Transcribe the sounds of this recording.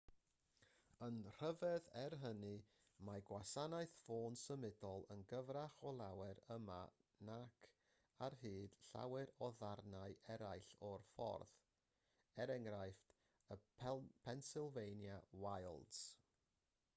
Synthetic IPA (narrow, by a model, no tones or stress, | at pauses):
ənr̥əvɛðɛrɦənɨ | maɡwasanaɨθfoːnsəmɪdɔlˠənɡəvraχɔlˠawɛɾəma̰ | nakʰ | arɦɨːd̥ɬa̰wɛɾɔðarnaɨʔɛɾajɬɔrfɔ̰rð | ɛɾɛŋrajft | əpʰpʰɛnsɪlˠvejnjawajlˠdz̥